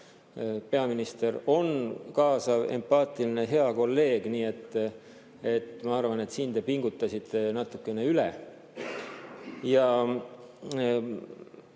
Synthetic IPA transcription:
pe̞ɑminist̪e̞ro̞nkɑːsɑve̞̰mpɑːt̪ˑiline̞ɦe̞ɑko̞lːe̞ːɡ̥niːe̞t̪ː | e̞t̪mɑɑrvɑne̞t̪siːnd̪e̞piŋɡ̥ut̪ːɑsit̪ːˑe̞nɑt̪ːˑukːe̞ne̞ylḛ | jɑ

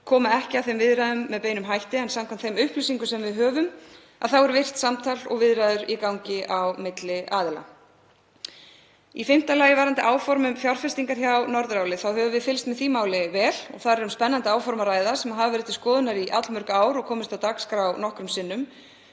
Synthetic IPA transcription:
kʰɔːmaɛhcɪawθejmvɪðɾaðʏmːɛðpeːjnʏmɦajht̪ɪɛnsamkʰam̥t̪θejmʏhplʏsiŋkʏsɛmvɪðɦœːvʏm | a̰ðθawɛɾvɪr̥t̪samt̪ʰalɔ̰ɣvɪðɾaːðʏɾikawɲcɪʔawmɪt̪lɪʔaːðɪla̰ | ifɪm̥t̪alaːjɪvaːɾant̪ɪʔaːwfɔɾmʏmfjawɾ̥fɛst̪iŋkaɾ̥çawnɔɾðɾawlɪθawhœːvʏvɪðfɪlst̪mɛθiːmaːwlɪvɛːlɔ̰ɣθaðɾɛɾʏmspɛnːant̪ɪaːwfɔɾmaɾaːjðaɾ̥sɛmaɦavvɛɾɪt̪ːɪ̥skɔːðʏnaɾiʔa̰t̪lmʏɾkaaːwɾɔɣkʰɔːmɪst̪awt̪akskɾawnɔhkɾʏmsɪnːʏm

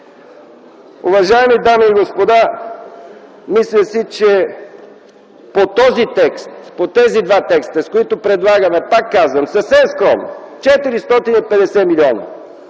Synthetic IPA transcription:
ʊ̰vɐʒaɛmid̪amiːɡospod̪a | mislʲəsit͡ʃɛ | pot̪ɔzit̪ɛkst̪pot̪ɛzid̪vat̪ɛkst̪əskoit̪ʊpɾɛd̪lˠaɡəmɛpakːazvəmsəfsɛmskɾɔmno̰ | t͡ʃɛt̪iɾist̪ɔt̪inipɛd̪ɛsɛmiliɔnə̰

